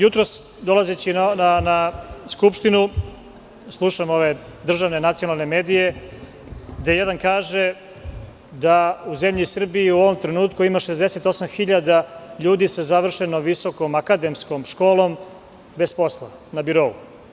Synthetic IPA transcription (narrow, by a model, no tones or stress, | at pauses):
jut̪ɾos | d̪o̞lazet͡ɕinanaskupʃt̪inu | slˠuʃamo̞ʋe̞d̪r̩ʒaʋnenat̪sionalˠne̞meːd̪ije̞ | ɡd̪ejed̪ankaːʒe | d̪auze̞mʎisr̩biiuo̞ʋo̞mt̪ɾe̞nuːt̪kuimaʃe̞zd̪e̞se̞t̪o̞samxiʎad̪aʎuːd̪isezaʋr̩ʃenoʋiso̞ko̞makad̪e̞msko̞mʃko̞ːlˠo̞m | be̞spo̞slˠa̰ | nabiɾo̞ːu